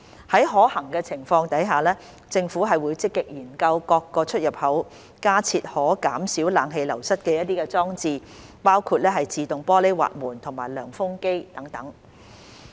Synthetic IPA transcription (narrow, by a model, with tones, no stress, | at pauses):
hɐ˨˥jɦɔː˨˥hɐ˨˩ŋkɛː˧t͡sʰɪ˨˩ŋfɔː˧ŋt̪ɐ˨˥jɦaː˨lɛː˥ | t͡sɪ˧ŋfuː˨˥ɦɐ˨jwuː˨˧jt͡sɪ˥kːɪ˨k̚jiː˨˩nkɐ˧wkɔː˧kːɔː˧t͡ʃʰɵ˥t̚jɐ˨p̚hɐ˨˥w | kaː˥t͡sʰiː˧t̚hɔː˨˥kaː˨˥msiː˨˥wlaː˨˧˥ŋɦe˨˧jlɐ˨˩wsɐ˥t̚kɛː˧jɐ˥t̚t̪iː˥kɛː˧t͡sɔː˥ŋt͡siː˨˧ | paː˥wkʰuː˧t̚lɛː˥ɦɐ˨jt͡siː˨˧t̪ʊ˨ŋpɔː˥le˥jwa̰ː˨t̚muː˨˩nt̪ʰʊ˨˩ŋmaː˨˩jlœː˨˩ŋfʊ˥ŋke˥jt̪ɐ˨˥ŋt̪ɐ˨˥ŋ